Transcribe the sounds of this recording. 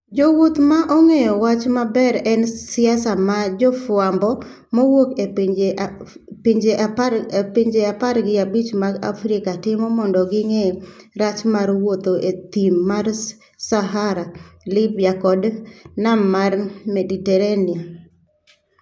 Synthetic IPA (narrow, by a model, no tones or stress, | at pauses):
d͡ʒowot̪maʔɔŋejɔwat͡ʃmabɛɾɛnsɪasamad͡ʒɔfwambɔ | mowoke | piɲd͡ʒeʔapiɲd͡ʒeaparɡɪabit͡ʃmaɡa̰fɾɪkatɪmɔmɔndɔɡɪŋeɾat͡ʃmaɾwot̪oʔet̪imːar | saɦaɾalɪbjakɔdnammarmeditɛɾanɪa